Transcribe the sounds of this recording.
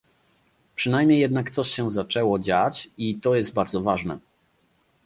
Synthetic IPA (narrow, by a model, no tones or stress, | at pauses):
pʂɘnajmʲɲejːɛd̪nakt̪sɔɕɕɛzat͡ʂɛwɔd͡ʑat͡ɕit̪ɔjɛst̪̚baɾd̪zɔvaʐnɛ̰